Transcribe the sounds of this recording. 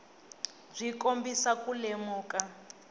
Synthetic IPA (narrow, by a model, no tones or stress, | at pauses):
b͡ʐʷikombisakulemuːka